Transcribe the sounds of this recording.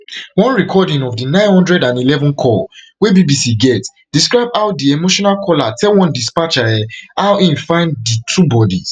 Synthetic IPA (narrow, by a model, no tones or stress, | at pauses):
wɔ̃nɹikʰɔdĩŋɔvdinãɪ̃nhɔ̃ndɹɛdãnilɛvɔ̃nkʰɔl | webibisiɡɛt | d̥iskɹaɪbaʊt̚diemoʃɔ̃nalkʰɔlatʰɛlwɔ̃ndispat͡ʃaɛaʊĩnfãɪ̃nditʰubɔdḭs